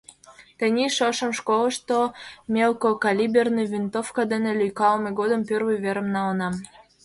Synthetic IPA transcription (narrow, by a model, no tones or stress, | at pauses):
t̪ə̆nʲiʃəʃə̆mʃkolə̆ʃt̪omʲelkokɑlʲibʲernijvʲint̪ofkɑd̪enĕlʲyjkɑlmeɡod̪ə̆mpʲørvɨjβeɾə̆mnɑlənɑm